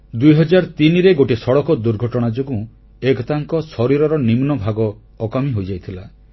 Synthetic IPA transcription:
d̪ujɦɔd͡ʒaɾɔt̪iniɾeɡoʈisɔɽɔkɔd̪uɾɡʱɔʈɔɽ̃ad͡ʒoɡũ | ekɔt̪aŋkɔsɔɾiɾɔɾɔnimnɔbʱaɡɔː | kamiɦojd͡ʒajt̪ʰila

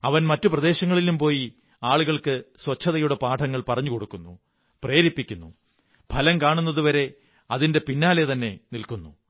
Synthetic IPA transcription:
ɐʋɐnmɐtːuprɐðe̞ːɕɐŋːɐɭilumpo̞ːji | aːɭuɣɐɭkɨswɐt͡ɕʰːɐðɐjuɽepaːʈʰɐŋːɐɭpɐrɐɲːuko̞ɽukːunːu | pre̞ːɾipːikʲːunːu | bʱɐlɐmkaːɳunːɐðuʋɐɾe̞ | ɐðinde̞pinːaːlet̪ɐnːe̞nilkunːu

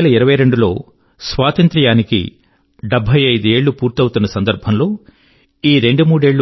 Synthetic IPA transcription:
lɐiɾɐʋɐjɾe̞ɳɖulo̞ː | sʋaːt̪ɐnt̪ɾɐjaːnikḭ | ɖebʱːɐjɐjd̪ue̞ːɭːupuːɾt̪ɐwt̪unːɐsɐnd̪ɐɾbʱɐmlo̞ː | iːɾeɳɖumuːɽe̞ːɭːu

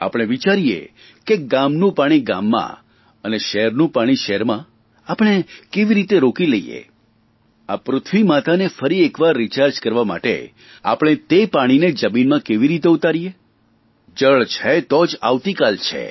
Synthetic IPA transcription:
a̰pəɽ̃eʋit͡ʃaɾijḛ | keɡamnũpaɽ̃iɡa̰mːã̰ | əneʃeɦɾnũpaɽ̃iʃɛɾmã | apəɽ̃ekeʋiɾit̪eɾokiləijḛ | apɾʊt̪ʰʋimat̪ʰanefəɾiekʋaɾːit͡ʃaɾd͡ʒkəɾʋama̰ʈḛ | a̰pɽ̃et̪epaɽ̃ined͡ʒəminmãkeʋiɾit̪eut̪aɾije | d͡ʒəɭt͡ʃʰet̪od͡ʒaʋt̪ikalt͡ʃʰḛ

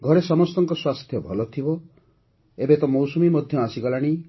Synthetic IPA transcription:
ɡʱɔɾesɔmɔst̪ɔŋkɔswast̪ʰjɔbʱɔlɔt̪ʰibɔ | ebet̪ɔmowsumimɔd̪ʱjɔasiɡɔlaɽ̃i

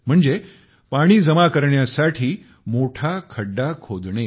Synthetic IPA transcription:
m̤əɳd͡ze | paɽ̃iːd͡zəmakəɾɳjasaʈʰiː | moʈʰakʰəɖːakʰod̪ɳ̃e

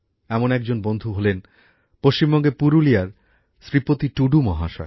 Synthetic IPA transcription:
ɛmonɛk̚d͡ʑonbond̪ʱuɦolen | poʃt͡ɕimbɔŋɡepuɾulijaɾ | sɾipot̪iʈuɖumɔɦaʃa̰ɾ

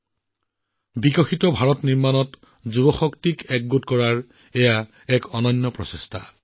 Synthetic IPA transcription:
bikɔxitɔbʱaɹɔtniɹmanɔt | zubɔxɔktikɛɡɡotkɔɹaɹ | ɛja | ɛkɔnɔnːɔpɹɔ̰sestʰa̰

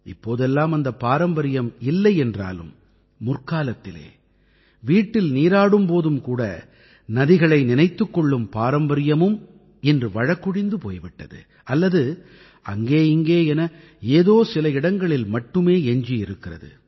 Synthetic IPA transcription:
ɪpːoːðɛlːaːmɐnd̪ɐpːaːɾɐmbɐɾɪjɐmɪlːɐɪɛndra̰ːlɯ̰mː | ʊrkaːlɐt̪ːɪlḛː | ʋiːʈːɪlniːɾaːɽɯmpoːðɯmkuːɽɐ̰ | nɐðɪɣɐɭɐɪnɪnɐɪt̪ːɯkːɔɭːɯmpaːɾɐmbɐɾɪjɐmɯm | ɪndrɯʋɐɻɐkːʊɽɪnd̪ɯpo̰ːjʋɪʈːɐðɯ̰ | ɐlːɐðɯ | ʔɐ̰ŋɡeːɪŋɡeːɛnɐ | eːðoːsɪlɐɪɽɐŋɡɐɭɪlmɐʈːɯmeːɛɲd͡ʒijɪɾɯkːɪrɐ̰ðɯ̰

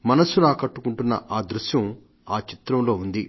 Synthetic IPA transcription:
mɐnɐsunaːkɐʈːukuɳʈunːɐ̰ʔaːd̪ɾuʃjɐm | aːt͡ʃit̪ɾɐmlo̞ːund̪i

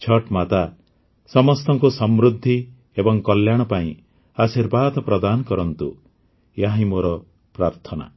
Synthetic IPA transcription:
t͡ʃʰɔʈmat̪a | sɔmɔst̪ɔŋkusɔmɾud̪ʱːi | ebɔŋkɔljaɽ̃ɔpaḭ̃ | asiɾbad̪ɔpɾɔd̪anɔkɔɾɔnt̪ṵ | jaɦĩmoɾɔ | pɾaɾt̪ʰɔna̰

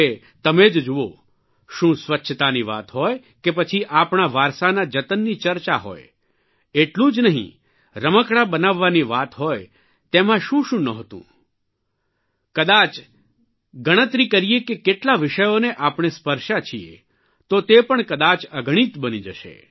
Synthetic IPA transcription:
e | t̪əmed͡ʒd͡ʒuo | ʃũsʋətːʃʰt̪aniʋa̰t̪ɦɔj | kepət͡ʃʰiʔapɳ̃aʋaɾsanad͡ʒət̪ənːit͡ʃəɾt͡ʃaɦo̰j | eʈlũd͡ʒnəɦḭ̃ | ɾəməkɽabənaʋːaniʋat̪ɦoj | t̪emãʃũʃũnəɦt̪ṵ̃ | kəd̪at͡ʃ | ɡəɽ̃ət̪ɾikəɾijekekeʈlaʋɪʃəjoneʔapɽ̃espəɾʃat͡ʃʰiḛ | t̪ot̪epəɳkəd̪at͡ʃəɡɽ̃it̪bənid͡ʒəʃḛ

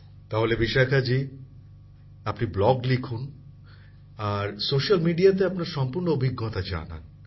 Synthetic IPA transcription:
t̪aɦolebiʃakʰad͡ʑi | apniblɔɡlikʰun | aɾsoʃalmiɖiat̪eapnaɾʃɔmpuɾnoobʱiɡːɔt̪ad͡ʑa̰na̰n

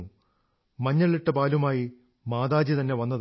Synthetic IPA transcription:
u | mɐɲːɐɭiʈːɐpaːlumaːji | maːd̪aːd͡ʑit̪ɐnːe̞ʋɐnːɐð

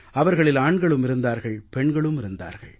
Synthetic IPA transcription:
ɐʋɐɾɣɐɭɪlaːɳɡɐɭɯmɪɾɯnd̪aːɾɣɐɭpɛɳɡɐɭɯmɪɾɯnd̪a̰ːɾɣɐ̰ɭ

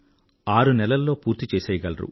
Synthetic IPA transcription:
aːɾunɛlɐlːo̞ːpuːɾt̪it͡ʃeːsɛːjɐɡɐlɐɾṵ

